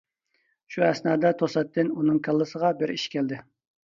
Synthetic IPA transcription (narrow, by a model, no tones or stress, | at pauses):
ʃuɛsnɑːd̪ɛt̪ʰosɛt̪ːɪnunɨŋkʰɑlˠːɨsəʁɑbɪɾiʃkʲʰɛld̪ɪ